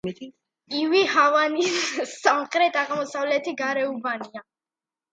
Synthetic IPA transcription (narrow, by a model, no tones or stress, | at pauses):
ivihavanisːamχɾɛt̪ʰʼaʁmɔsavlɛt̪ʰiɡaɾɛubania